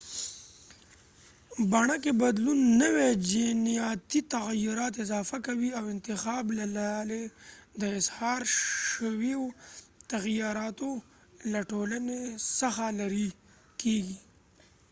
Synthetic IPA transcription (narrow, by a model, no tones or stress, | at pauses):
baɳakebad̪lunːəwed͡ʒinijɑt̪it̪aɣjʊɾɑt̪ɪzɑfakawiawɪnt̪ɪxɑblalaled̪əɪshɑɾəwiot̪aɣjɑɾɑt̪o | laʈolənesaxalaɾi | keɡi